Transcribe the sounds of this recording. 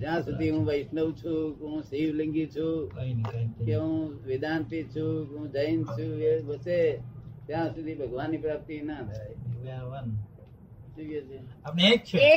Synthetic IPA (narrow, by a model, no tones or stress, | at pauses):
d͡ʒjãsud̪ʱiɦũʋəɪsnəʋ̃t͡ʃʰũkeɦũsiʋlə̃ŋɡit͡ʃʰũkoinkikeɦũʋɪd̪ant̪it͡ʃʰũkeɦũd͡ʒəjnt͡ʃʰũeʋəset̪jãsud̪ʱibʱəɡʋanːipɾap̚t̪inad̪ʰajkaʋan | siket͡ʃʰeapneek̚t͡ʃʰe